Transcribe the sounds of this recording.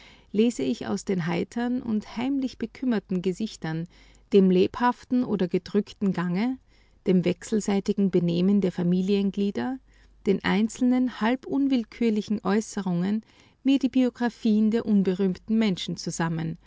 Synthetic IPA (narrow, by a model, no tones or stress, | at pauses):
leːzəɪça̰ʊsd̥eːnɦaɪtʰɐnʔʊ̰nthaɪmlɪçb̥əkʰʏmɐtn̩ɡəzɪçtɐn | d̥eːmleːphaftn̩ʔoːdɐɡədʁʏktn̩ɡaŋə | d̥eːmvɛksl̩zaɪtɪɡŋ̩bəneːməndeːɐfamiːliənɡliːdɐ | d̥eːnʔa̰ɪnt͡sl̩nənhalbʔʊnvɪlkʰyːɐlɪçn̩ʔɔʏsəʁʊŋən | miːɐdiːbioɡʁafiːəndeːɐʔʊnbəʁyːmtn̩mɛnʃn̩t͡suzamən